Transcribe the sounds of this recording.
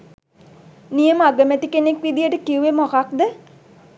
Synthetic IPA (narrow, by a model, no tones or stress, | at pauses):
nijəməaɡəmæt̪ikenekʋid̪ijəʈəkiuʋemokak̚d̪ə